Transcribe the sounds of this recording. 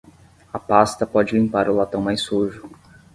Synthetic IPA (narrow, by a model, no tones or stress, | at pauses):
ɐpast̪ɐpɔd͡ʒɪlĩmpaɾʊlat̪ɐ̃w̃majsuʒʊ